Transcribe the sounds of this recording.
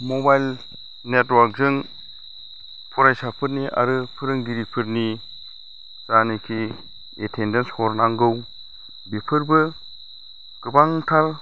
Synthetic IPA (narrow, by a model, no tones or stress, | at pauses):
mobajl | netwaɾk̚zɯŋ | pʰɔɾajsapʰɯɾniʔa̰ɾɯpʰɯɾɯŋɡiɾipʰɯɾni | zanikʰi | etʰendenshɔɾnaŋɡɯw | bipʰɯɾbɯ | ɡ̥ɯbaŋtʰal